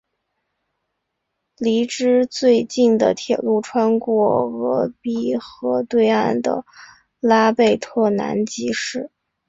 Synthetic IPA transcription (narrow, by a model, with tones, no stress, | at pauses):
li˧˥ʈ͡ʂɻ̩˥t͡swe˥˧ɪt͡ɕi˥˩nd̪ə̰˩t̪ʰjɛ˨˩lu˥˩ʈ͡ʂʰwa˥nkwɔ˥˩ɣɤ˧˥pi˥xɤ˧˥t̪we˥˧ɪa˥˩nd̪ə̰˩ | la˥pe˥˧ɪt̪ʰɤ˥˩na̰˧˥nt͡ɕi˧˥ʂɻ̩˥˩